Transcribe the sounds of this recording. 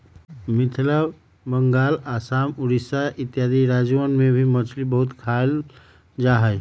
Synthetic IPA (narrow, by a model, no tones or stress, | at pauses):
mɪt̪ʰləb | bəŋɡaːlaːsaːmuɾisaʔit̪jad̪iɾaːd͡ʒuʋənmebʱimət͡ʃʰlibəɦut̪kʰal | d͡ʒaɦəj